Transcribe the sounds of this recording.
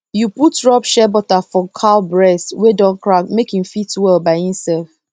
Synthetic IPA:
juputɹɔbʃɛbɔtafɔkʰalbɹɛswɛdɔ̃nkɹak̚mekĩmfitwɛlbaɪhĩmsɛlf

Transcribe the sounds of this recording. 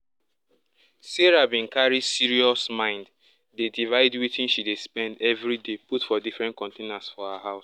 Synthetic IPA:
seɹabĩnkaɹidsiɹiɔsmãɪ̃nd | dedivaɪdwitʰĩnʃidespɛ̃ndɛvɹideputfɔdifɹɛ̃nt̚kɔ̃ntenasfɔhaɦaʊs

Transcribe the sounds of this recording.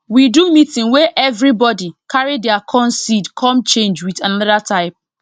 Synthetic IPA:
widumitĩnweʔɛvɹibɔdikʰaɹidɛakʰɔ̃nsidkʰɔ̃mt͡ʃẽnd͡ʒwitanɔdatʰaɪp̚

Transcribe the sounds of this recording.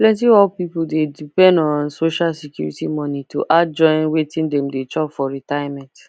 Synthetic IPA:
plɛ̃ntiɔlpipudedipɛ̃ndɔ̃nsoʃalsikjṵɹḭtimɔ̃nitoʔad͡ʒɔ̃ɪ̃nwetĩndɛ̃mdet͡ʃɔpfɔɹitajamɛ̃nt

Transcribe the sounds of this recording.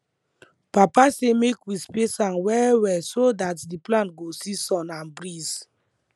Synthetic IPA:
papasemekwispesãnwɛwɛsodatdiplãntɡosisɔ̃nãnbɹiz

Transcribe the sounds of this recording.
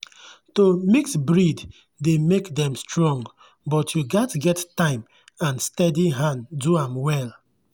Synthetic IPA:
tomiksbɹid | demekdɛ̃mstɹɔ̃ŋɡ | bɔtʰjuɡatɡɛttãɪ̃m | ãnstɛdiɦãnduãmwɛl

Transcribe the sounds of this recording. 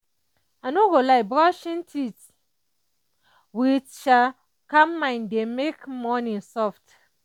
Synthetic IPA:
anoɡolajbɾɔʃĩntʰit | witt͡ʃa | kammːãɪndemekmɔ̃nĩnsɔft

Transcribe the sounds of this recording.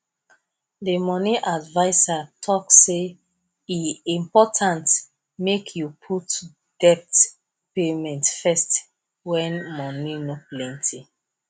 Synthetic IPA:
demɔniʔadvaɪsatʰɔkse | iĩmpɔtʰãnt | mekʰjupʰut | d̥ɛp̚t | pemɛ̃ntfɛst | wɛ̃nmɔninoplɛ̃ntʰi

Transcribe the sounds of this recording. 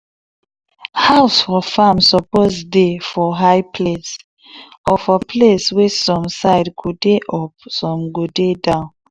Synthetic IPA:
haʊsfɔfãmsɔpozdefɔɦajpʰles | ɔfəpʰleswɛsɔ̃msaɪdkʰudeʔɔpsɔ̃mɡodedãʊ̃n

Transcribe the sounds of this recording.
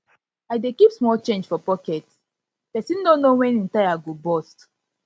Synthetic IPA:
adekipsmɔlt͡ʃẽnd͡ʒfɔpɔkɛt | pɛsĩndõnːowɛ̃nĩntajaɡobɔst

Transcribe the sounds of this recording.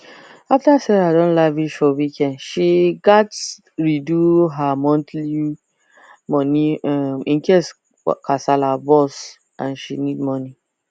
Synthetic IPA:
aftasɛɹadɔ̃nlaviʃɔwikʰɛ̃ndʃiɡats | ɹiduɦamɔ̃ntli | mɔniamĩŋkɛs | kʰasalabɔs | ã̰nʃinid̚mɔni

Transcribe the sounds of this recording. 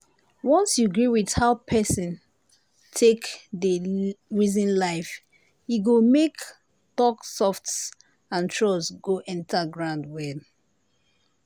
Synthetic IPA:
wɔ̃nsjuɡɹiwidhaʊpʰɛsɔ̃n | tʰekðəɹizĩnlaɪf | hiɡomek | tɔksɔfts | ãntʰɹɔsɡoʔɛ̃ntʰaɡɹãʊndwɛl

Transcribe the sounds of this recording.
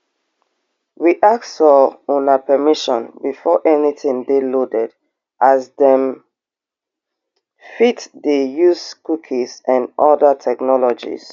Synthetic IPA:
ɹiʔak̚sɔɔ̃napʰɛmiʃɔ̃nbifɔʔɛnitĩndelodɛd | ʔazdɛ̃m | fitdejuskukʰizãnɔdətʰɛknɔlɔd͡ʒḭz̥

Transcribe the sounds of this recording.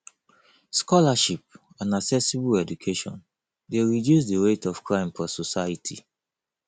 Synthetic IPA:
skɔlaʃip̚ | ãnaksɛsibuɛdukʰeʃɔ̰̃n | deɹidjus̬diɹetɔfkɹãɪ̃mfɔsɔsaitʰḭ

